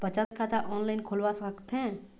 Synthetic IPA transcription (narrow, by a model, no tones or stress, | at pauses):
bət͡ʃãt̪kʰat̪aʔɔːnlajnkʰolʋasəkt̪ʰɛ̃